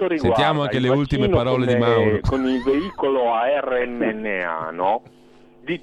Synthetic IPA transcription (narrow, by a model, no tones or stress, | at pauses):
oɾisent̪jaːmoaŋkeleult̪imenpaɾɔːledimawɾokonilveiːkoloaɛreɛnːɛnːea̰nɔ | d̪i